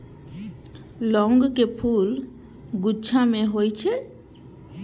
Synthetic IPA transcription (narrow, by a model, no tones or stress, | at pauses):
lɔŋɡkepʰul | ɡut͡ʃʰameɦojt͡ʃʰe